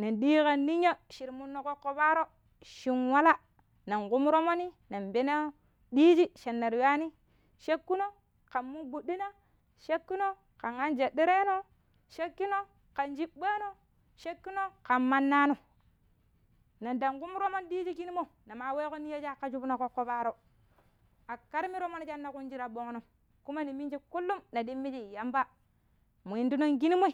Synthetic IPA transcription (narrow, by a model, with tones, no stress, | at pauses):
na˨ndi˦ka˨nːi˦ɲa˦ʃi˨ɾmu˦nːo˨ko˦kːo˨ba˦ɾo˦ | ʃi˨nwa˦la˦ | na˨ŋku˦m˦ɾo˦mo˦ni˦ | na˨mbe˦na˦ | ɗi˦d͡ʒi˦ʃe˨nːa˨ɾwa˦ni˦ | ʃe˦kːu˦no˦ | ka˨mmu˦ɡu˨ɗi˦na˦ | ʃe˦kːu˦no˦ | ka˨ŋa˦nd͡ʒe˨di˦ɾe˦no˦ | ʃe˦kːi˦no˦ | ka˨nd͡ʒi˦ɓbe˦no˦ | ʃe˦kːu˦no˦ka˨mːa˦nːa˦no˨ | na˨da˨ŋku˦mu˦ɾo˦ma˦n˦di˦d͡ʒi˦ki˦ni˦mo˦˨na˨ma˨we˦ko˦ni˦je˦d͡ʒa˦˨kːa˨d͡ʒu˦bu˦no˨ko˦kːo˦ba˦ɾo˦ | a˨ka˦ɾmi˦ɾo˦ma˦n˦d͡ʒa˦nːa˨ku˦nd͡ʒi˦ɾa˨ɓo˦ŋ˦no˨ | ku˦ma˦ni˨mi˦nd͡ʒi˦ku˦lːu˦mna˨di˦mːi˦d͡ʒi˦˨ja˦mba˦ | mu˨i˨ndu˦no˦ŋɡi˦ni˦mo˦i˨